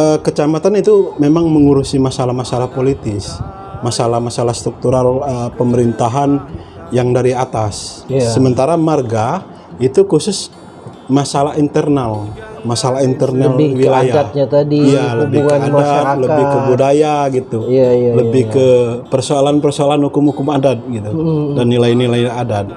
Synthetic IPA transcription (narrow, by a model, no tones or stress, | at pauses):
əkət͡ʃamat̪anit̪umemaŋməŋuɾusimasalahmasalahpolit̪ɪs | masalahmasalast̪ɾuk̚t̪uɾaləpəməɾint̪aɦan | jaŋdaɾiat̪asːəmənt̪aɾamarɡa | it̪ukusʊs | masalaint̪ərnal | masalaint̪ərnalwilajaaɲat̪adiijalbikadaləbɪhkəbudajaɡit̪uləbɪhkəpərsoalanpərsoalanhukʊmhukʊmadat̪̚ɡit̪udanːilainilajadad̪̚